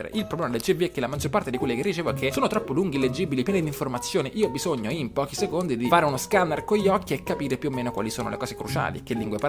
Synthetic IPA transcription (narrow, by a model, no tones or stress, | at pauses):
ɾḛʔilpɾoblɛːmad̪elt͡ʃiviɛkːelamad͡ʒːorpart̪ed̪ikwelːikerːit͡ʃeːvoɛkʰːesoːnot̪ɾɔpːoluŋɡilːed͡ʒibilipjɛnid̪iɱformat̪sːjoːneʔiːoɔbizoɲːoimpɔːkisekond̪id̪ifaːɾeunoskanarkoʎːɔkːiekːapiːɾepjuomːeːnokwa̰lisoːno̰lḛkɔːsekɾut͡ʃa̰ːlḭkelːiŋɡwepa